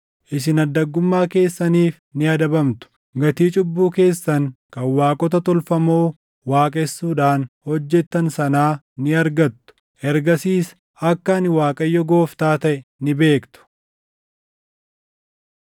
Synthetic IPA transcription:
ʔɪsɪnɐd̪ːɐɡːʊmːaːke̞ːsːɐniːf | nɪɐd̪ɐbɐmt̪ʊ̥ | ɡɐt̪iːt͡ʃʼʊbːuːke̞ːsːɐŋkɐnwaːkʼɔt̪ɐt̪ɔlfɐmo̞ː | waːkʼɛsːuːᶑaːnhɔd͡ʒːɛt̪ːɐnsɐnaː | nɪɐɾɡɐt̪ːʊ̥ | ʔɛɾɡɐsiːs | ɐkːɐɐnɪwaːkʼɐjːɔɡo̞ːft̪aːt̪ɐʔɛnɪbe̞ːkt̪ʊ̥

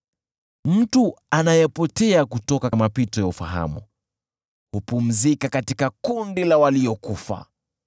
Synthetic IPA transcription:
m̩tuanajɛpɔtɛakutɔkamapitɔjaufaɦa̰mṵ | hupum̩zikakatikakundilawaliɔkufa̰

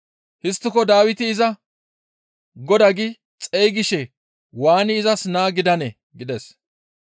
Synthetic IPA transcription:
hɪst̪ːɪkɔd̪aːwɪt̪ɪːzɐ | ɡɔd̪ɐɡɪ | t͡sʼɛjɡɪʃɛ | waːnɪːzɐsnaːɡɪd̪ɐnɛ | ɡɪd̪ɛs

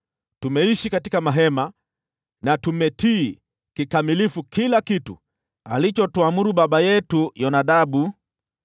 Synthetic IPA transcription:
tumɛiʃikatikamaɦɛma | natumɛtiː | kikamilifukilakitṵ | alit͡ʃɔtuamuɾuɓaɓajɛtujɔnaɗaɓu

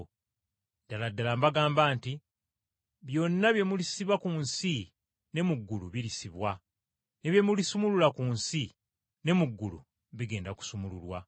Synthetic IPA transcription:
d̥aladːalambaɡaːmbaːnti | βjo̞nːaβje̞mulisiβakunsi | ne̞muɡːuluβilisiβwa | neβje̞mulisumululakuːnsi | ne̞muɡːulṵ | βiɡe̞ːndaku̥sumululwa

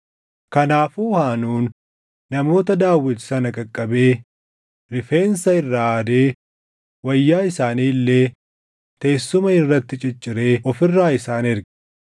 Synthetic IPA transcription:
kɐnaːfuːhaːnuːnː | ɐmo̞ːt̪ɐd̪aːwːɪt̪sɐnɐkʼɐkʼːɐbe̞ː | ɾɪfe̞ːnsɐɪrːaːd̪e̞ː | wɐjːaːɪsaːniːlːe̞ː | t̪e̞ːsːʊmɐɪrːɐt̪ːɪt͡ʃʼɪt͡ʃʼːɪɾe̞ːɔfɪrːaːɪsaːnɪɾɡɐ̥

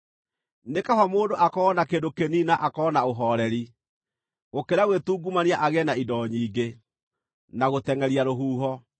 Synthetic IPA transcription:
nekawamoːndoʔakɔːnakeːdokeninaʔakɔːnaoɦɔɾɛɾi | ɣokeɾaɣwetuːɡumaniaʔaɣɛnaidɔɲiːɡe | naɣotɛŋɛɾiaɾoɦuːɦɔ

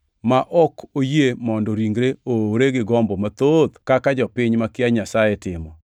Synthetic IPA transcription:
maʔɔkʰojemɔndɔɾiŋɡɾeoɾeɡɪɡɔmbɔmat̪od̪kakad͡ʒɔpɪɲmakɪaɲasajetɪmɔ

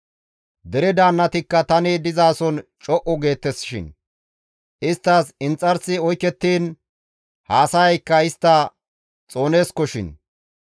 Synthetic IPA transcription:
d̪ɛɾɛd̪aːnːɐt̪ɪkːɐt̪ɐnɪd̪ɪzaːsɔnt͡ʃʼɔʔɔɡe̞ːt̪ːɛsɪ̥ʃɪ̰n | ʔɪst̪ːaːsɪnt͡sʼːɐɾsɪɔjkːɛt̪ːiːn | haːsɐjɐjkːɐɪst̪ːɐ | t͡sʼo̞ːne̞ːskɔʃɪ̰n

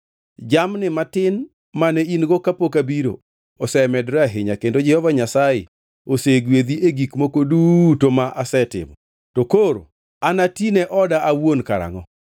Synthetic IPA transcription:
d͡ʒamnɪmatɪn | manɛinɡokapokabiɾo̰ | ɔsɛmɛdɾaɦɪɲakendod͡ʒɛhɔvaɲasajɪ̰ | oseɡwed̪ieɡikmokodutomaʔasɛtɪ̰mɔ | tokoɾo̰ | anatinɛʔɔdaʔawonkaɾa̰ŋɔ

